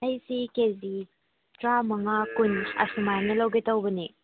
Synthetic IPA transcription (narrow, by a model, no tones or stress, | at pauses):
ɐjsikezi | tɾamɐŋakunɐ̰sumajnɐlɐwɡetɐwbɐni